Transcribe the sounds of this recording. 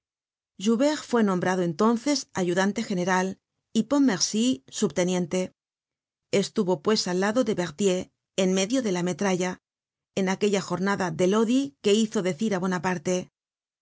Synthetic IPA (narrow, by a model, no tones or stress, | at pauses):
ʒuβe̞ʁfwe̞nõ̞mbɾaðoe̞nt̪o̞nθe̞saʝuðant̪e̞xe̞ne̞ɾal | ipo̞mːe̞ɾsisuβt̪e̞nje̞nt̪e̞ | est̪uβo̞pwe̞salːaðo̞ðe̞βe̞ʁt̪je̞ː | nme̞ðjo̞ðe̞lame̞t̪ɾaʝa | enake̞ʎaxo̞ɾnaðaðe̞lo̞ðike̞iθo̞ðe̞θiɾaβwe̞napaɾt̪e̞